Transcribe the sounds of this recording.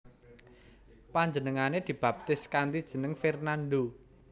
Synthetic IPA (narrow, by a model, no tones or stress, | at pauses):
paɲd͡ʒənəŋaned̪̥i̤b̥a̤p̚t̪ɪskand̪id̥ʒ̥ə̤nəŋfɛrnanɖ̪o